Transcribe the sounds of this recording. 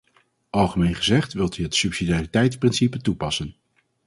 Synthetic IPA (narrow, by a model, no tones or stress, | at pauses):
ʔɑlˠχəmejnχəzɛχtʋɪlˠtyɦətsypsidiaːritɛjtsprɪnsipətupɑsən